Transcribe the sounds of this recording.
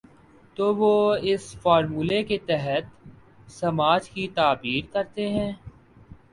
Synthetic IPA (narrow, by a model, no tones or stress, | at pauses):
t̪oːʋoːɪsfaːɾmuːleket̪ɛɦət̪ | sɐmaːd͡ʒkit̪aːbiːɾkɐɾt̪eɦɛ̃ː